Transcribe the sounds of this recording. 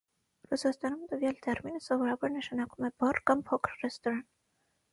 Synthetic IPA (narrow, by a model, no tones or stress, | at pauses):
rusɑst̪ɑnumt̪əvjɑlt̪ʰɛɾminəsɔvɔɾɑbɑɾnəʃɑnɑkumɛbɔrkɑmpʰɔkʰəɾrɛst̪ɔɾɑn